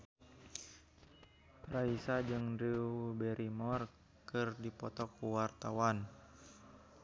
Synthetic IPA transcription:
raisad͡ʒɨŋdiubɛɾʔimɔr | kɨrdipɔt̪ɔkːuwart̪awan

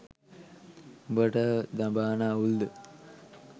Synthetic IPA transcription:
bəʈəd̪abaːnauld̪ə

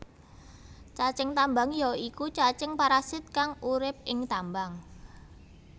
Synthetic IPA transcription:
t͡ʃat͡ʃɪŋt̪ambaŋjɔikut͡ʃat͡ʃɪŋpaɾasɪt̪̚kaŋuɾɪp̚ɪŋt̪ambaŋ

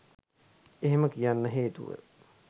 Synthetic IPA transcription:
eɦeməkijanːəɦeːt̪ṵʋə̰

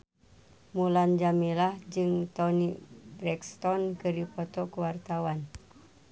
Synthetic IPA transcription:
muland͡ʒamilahd͡ʒɨŋt̪ɔnibɾɛkst̪ɔnkɨripɔt̪ɔkuwart̪awan

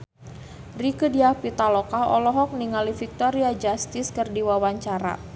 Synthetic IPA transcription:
rikədiahpit̪alɔkaɔ̰lɔɦɔk̚niŋalifik̚t̪ɔɾiad͡ʒast̪ɪskərdiwawaɲt͡ʃaɾa̰

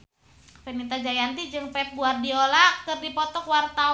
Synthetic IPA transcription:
fɛnit̪ad͡ʒajant̪id͡ʒɨŋpɛp̚buardiolak̚k̪ɨrdipɔt̪ɔkwart̪a

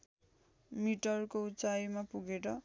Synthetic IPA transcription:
miʈʌrkout͡sajmapuɡeɾʌ

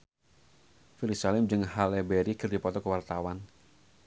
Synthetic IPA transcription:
filisalɪmd͡ʒɨŋɦalɛbɛɾikɨrdipɔt̪ɔkəwart̪awan

